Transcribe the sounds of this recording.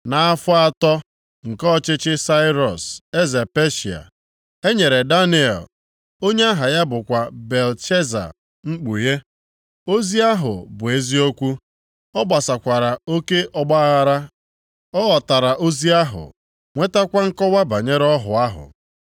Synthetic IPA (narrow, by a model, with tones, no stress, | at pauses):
na˨a˦fʊ˦a˦tɔ˦ | ŋ̩˨kɔ˦˨t͡ʃɪ˦t͡ʃɪ˦sa˦ɪ˦ɾɔ˨se˦ze˨pe˦ʃi˨a̰˨ | e˦ɲe˨ɾe˨da˦ni˨ɛ̰˨l | o˦ɲe˦a˦ɦa˨ja˦bʊ˨kʷa˨be˨lt͡ʃe˦za̰˨ | ŋ͡m̩˦k͡pu˨je˦ | o˦zi˦a˦ɦʊ̰˨bʊ˨e˦zi˦o˦kʷu˦ | ɔ˦ɡ͡ba˨sa˨kʷa˨ɾa˨o˦ke˦ʔʔɔ˦ɡ͡ba˦ɣa˦ɾa˦ | ɔ˦ɣɔ˨ta˨ɾa˨ʔo˦zi˦a˦ɦʊ̰˨ | ŋʷe˦ta˦kʷa˦ŋ̩˦kɔ˦wa˦ba˨ɲe˦ɾɔ˦ɦʊ˨a˦ɦʊ̰˨